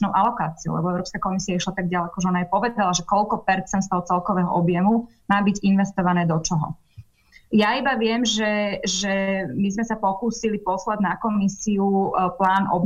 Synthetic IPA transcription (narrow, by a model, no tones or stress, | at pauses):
nɔʊʔalɔkaːt͡siɔoʊlɛ̰bɔɛʊɾɔːpskakɔmisiaiʃlat̪aɡ̚ɟalɛkɔʒɛɔnaajpɔʋɛd̪alaʒɛkɔlkɔpɛɾt͡sɛnt̪st̪ɛl̚t͡sɛlkɔʋɛːɦɔ̰ʔɔbjɛmu | maːbiɟinʋɛst̪ɔʋanɛːd̪ɔt͡ʃɔɦɔ̰ | jaibaʋɪɛmʒɛʒɛmizmɛsapɔkuːsilipɔslaɟnakɔmisiuplaːnʔɔ̰b